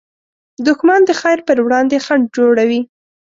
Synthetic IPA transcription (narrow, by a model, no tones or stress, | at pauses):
d̪ʊkmɑnd̪əxajɾpəɾwɽɑnd̪exaɳ̚d͡ʒoɽawi